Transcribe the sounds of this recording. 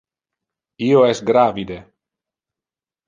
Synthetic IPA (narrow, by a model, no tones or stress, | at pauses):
ioɛsɡɾavid̪e